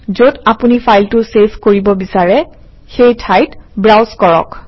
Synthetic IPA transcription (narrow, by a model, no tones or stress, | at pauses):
zotapunifʰajltʊseskoɹibɔbisaɹɛ | xejtʰajtbɹawzkɔɹɔ̰k